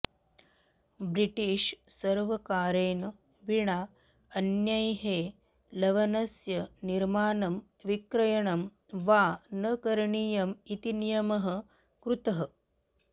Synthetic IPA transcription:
bɾiʈiːʃ | sɐɾʋɐkaːɾeːnɐ | ʋiɳa | ɐnjɐjɦeː | lɐʋɐnɐsjɐniɾmaːnɐm | ʋikɾɐjɐɳɐm | ʋaːnɐkɐɾɐɳiːjɐmit̪inijɐmɐɦɐ | kɾut̪ɐɦɐ

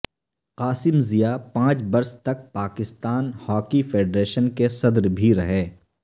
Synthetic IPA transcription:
qaːsɪmzijapãːt͡ʃbɐɾst̪ɐk̚paːkɪst̪aːnhɔːkifʰeːɖɾeːʃənkesɐd̪ɾbʱiɾɐɦẽː

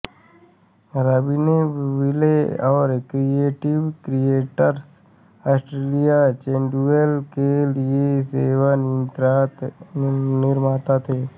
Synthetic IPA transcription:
ɾəbineʋɪleɔːɾkɾieːʈɪʋkɾijeːʈəɾs | ɔːsʈɾeːlijat͡ʃẽːɳɖuelkelieseːwanə̃nt̪ɾaːt̪ | nɪɾmaːt̪at̪ʰeː

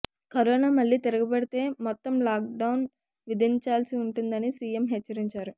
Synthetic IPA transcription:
kɐɾoːnaːmɐɭːiːt̪iɾɐɡɐbɐɽit̪e̞ːmɔt̪ːɐmlaːk̚ɖɐwun | ʋid̪ʱiɲt͡ʃaːlsiuɳʈund̪ɐnisiːjemɦet͡ʃːɐɾiɲt͡ʃaːɾu

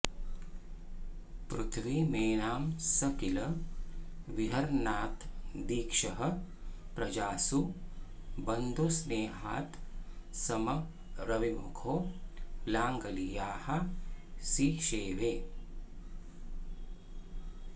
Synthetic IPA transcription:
pɾut̪ʰʋimeːnaːmsɐkilɐ | ʋiɦɐɾnaːt̪d̪iːkʃɐɦɐ | pɾɐd͡ʒaːsu | bɐnd̪osneːɦaːt̪sɐmɐ | ɾɐʋimukʰoːlaːŋɡɐlijaːhɐ̆ | siʃeːʋeː

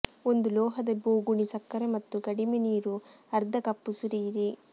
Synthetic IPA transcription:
o̞nd̪ulɔːɦɐd̪ɐboːɡuɳisɐkːɐɾemɐt̪ːukɐɽimeniːɾuɐɾd̪ʱɐkɐpːusuɾiːɾi

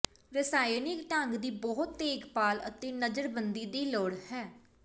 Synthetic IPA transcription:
ɾɪsaːjnɪkʈəŋɡd̪iːbɔɦʊt̪ːeːɡpaːlət̪eːnəd͡ʒəɾbənd̪iːd̪iːloːɽhɛː

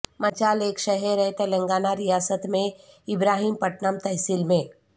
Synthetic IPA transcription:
mɐt͡ʃaːleːkʃəɦeɾɛt̪elɐ̃ŋɡaːnaɾijaːsət̪mẽ | ɪbɾaːɦiːmpəʈnəmt̪ɐɦsilmẽː

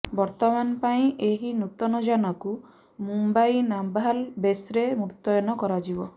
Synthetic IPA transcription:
bɔɾt̪ɔmanɔpaĩʔeɦinut̪ɔnɔd͡ʒanɔku | mumbajnambalbesɾemukt̪ɔjɔnɔkɔɾad͡ʒibɔ

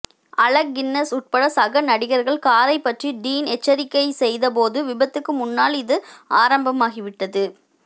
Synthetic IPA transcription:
ɐɭɐɡɪnːɐsʊʈ̚pɐɽɐsɐɣɐnɐɽɪɣɐɾɣɐɭkaːɾɐɪpːɐʈriɖiːnɛt͡ʃːɐɾɪkːɐɪsɛjðɐp̬oːðɯʋɪbɐt̪ːɯkːɯmʊnːaːlɪðɯaːɾɐmbɐmaːɣɪʋɪʈːɐðɯ

